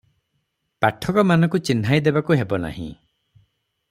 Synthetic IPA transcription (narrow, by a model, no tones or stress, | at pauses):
paʈʰɔkɔmanɔkut͡ʃin̤ɦajd̪ebakuɦebɔna̰hḭ̃